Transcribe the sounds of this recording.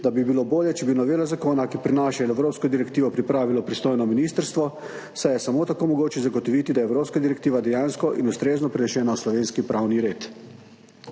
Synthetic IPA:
d̪abibiloboːljɛt͡ʃɛbinɔʋeːlazakoːnakipɾinaːʃainɛwɾoːpskɔd̪iɾɛkt̪iːʋɔpɾipɾaːʋilɔpɾist̪oːjnɔminist̪əɾst̪ʋɔ | sajɛsamot̪akoːmɔɡoːt͡ʃɛzaɡɔt̪ɔʋiːt̪id̪ajɛwɾoːpskad̪iɾɛk̚t̪iːʋad̪ɛjaːnskɔʔḭnust̪ɾeːznɔpɾɛnɛʃɛːnaslɔʋeːnskipɾʔawniɾeːt̪

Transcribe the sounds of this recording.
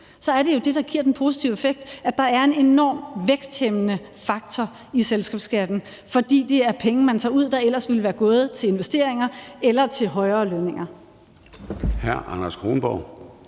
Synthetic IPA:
sɒ̽æɐɾe̝jo̝d̥e̝d̥ɑ̈ɡ̥iɐ̰d̥enpʰo̝si̥t͡sʰiʊefeɡ̥̚d̥æd̥ɑ̈æɐe̝ne̝nɒ̰ːmʋeɡ̥sd̥hemənə | fɑ̈ɡ̥̚t͡sʰɒ | iselsɡ̥ɛ̰ːb̥sɡ̥æd̥n̩ | fɒ̽d̥ḭːd̥e̝æɐpʰeŋ̩mænt͡sʰɑ̰̈ːuð̞̰ˠd̥ɑ̈elɐsʋe̝lʋæːɐɡ̥ɔ̽ːð̞̩ˠt͡sʰe̝le̝nʋesd̥e̝ɐ̰eŋɐelɐt͡sʰe̝lɦɒ̽ɪɐːløːneŋɐ | hæɐ̰ɑnɐsɡ̥ʰʁo̰nb̥ɒʊ̰

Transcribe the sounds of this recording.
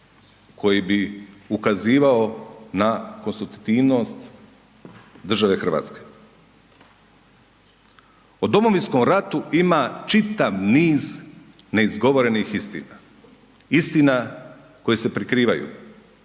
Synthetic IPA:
kʰo̞jibiukaziːʋaonako̞nst̪ɾut̪t̪iːʋno̞st̪ | d̪r̩ʒaʋe̞xrʋa̰ːt̪ske̥ | od̪o̞mo̞ʋinskomɾat̪uimat͡ʃit̪aʋniːz | ne̞izɡo̞ʋo̞ɾe̞nixist̪ḭna | ist̪ina | ko̞jese̞pɾikɾiːʋajṵ

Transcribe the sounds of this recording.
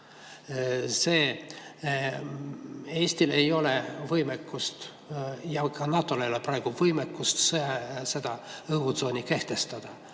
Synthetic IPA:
se̞ː | e̞ːsʲt̪ile̞jo̞le̞vɤjmekːˑust̪ | jɑkɑnɑt̪ːˑo̞lejoleprɑˑeɡ̥uvɤjmekːust̪sese̞d̪ɑɤɡut̪so̞ːnʲike̞ht̪e̞st̪ɑd̪̥ɑ

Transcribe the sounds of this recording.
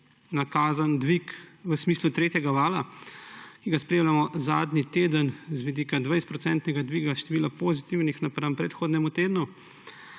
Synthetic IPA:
nakaːzand̪ʋikʋəsmiːslut̪ɾeːt̪jɛɡaʋaːla | kiɡaspɾeːmlʲjamɔzaːd̪nit̪eːd̪ənzʋid̪iːkad̪ʋajs̚pɾɔtsɛnt̪nɛɡad̪ʋiɡaʃt̪ɛʋiːlapoːzit̪iwnixnapɾampɾɛt̪xoːd̪nɛmut̪eːd̪nu

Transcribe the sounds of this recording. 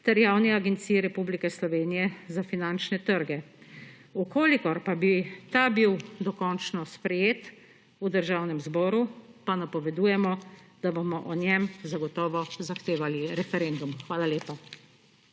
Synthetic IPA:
t̪ɛɾjawniaɡɛnt̪siːjɛɾɛpublikɛslɔʋeːnijɛzafinant͡ʃnɛt̪əɾɡɛ | ukoːlikɔɾpabit̪abiwd̪ɔkɔnt͡ʃnɔspɾɛjeːt̪ | ud̪əɾʒaːwnɛmzbɔːɾupanapɔʋɛd̪uːjɛmɔd̪̥abomɔʔɔnjɛmzaɡɔt̪ɔːʋɔzaxt̪eːʋaliɾɛfɛɾeːnd̪umxʋaːlaleːpa

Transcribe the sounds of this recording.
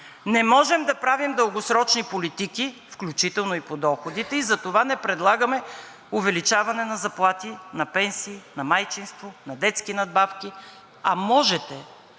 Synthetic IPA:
nɛmɔʒɛmd̪ɐpɾavimd̪əlˠɡosɾɔt͡ʃnipolit̪ikifklʲut͡ʃit̪ɛlˠnoipod̪ɔxod̪it̪ɛizɐt̪ovanɛpɾɛd̪lˠaɡɐmɛ | ʊvɛlit͡ʃavɐnɛnɐzɐplˠat̪inɐpɛnsiːnɐmajt͡ʃinst̪vonɐd̪ɛt̪skinɐd̪̚bafkʲi | ɐmɔʒɛt̪ɛ

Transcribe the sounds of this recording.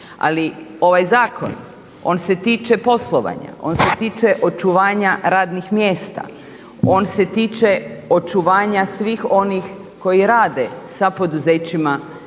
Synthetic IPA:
a̰lio̞ʋajzaːko̞̰n | o̞ːnse̞t̪iːt͡ʃe̞po̞slˠo̞ʋa̰ːɲa̰o̞̰nset̪iːt͡ʃe̞ʔo̞t͡ʃuʋaːɲaɾaːd̪nixmjeːst̪a̰ | o̞nse̞t̪iːt͡ʃeo̞t͡ʃuʋaːɲasʋiːxo̞nix | ko̞jiɾaːd̪e̞sapo̞d̪uzet͡ɕima

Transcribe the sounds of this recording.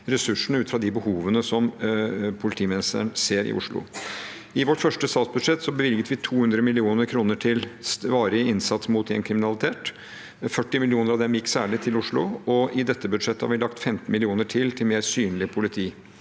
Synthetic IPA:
ɾɛsʉʂɳ̩ʉːt̪fɾɑd̪ɪbəhuːʋənəsɔmpʰʊlɪt̪ʰiːmɪnɪst̪ə̰ɳseːɾɪ̰ʔʊ̰ʂɭʊ̰ | ɪʋɔʈːfœʂʈəst̪ɑːt̪sbʉd̪ʂɛt̪ːsɔbəʋɪlɡət̪ʋɪt̪ʰuːhʉnd̪ɾəmɪlɪuːnəɾkʰɾuːnəʈʰɪlsʋɑːɾɪɪnsɑt̪smʊt̪ɛnkʰɾɪmɪnɑlɪt̪ʰeːt̪ | fœʈːɪmɪlɪuːnəɾɑʋd̪ɛmjɪkːsæːɭɪt̪ʰɪlʊʂɭʊɔɪd̪ɛt̪ːəbʉd̪ʂɛt̪ːəhɑ̰ʋɪlɑkt̪fɛmt̪n̩mɪlɪuːnəʈʰɪlt̪ʰɪlmeːɾsyːnlɪpʰʊlɪt̪ʰiː

